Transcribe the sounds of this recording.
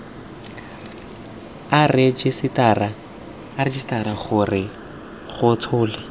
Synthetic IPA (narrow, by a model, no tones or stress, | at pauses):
arɪd͡ʒɪsɪtaraː | ɾɪd͡ʒɪsɪ̥taɾaχʊrɪ | χʊt͡sʰʊːlɪ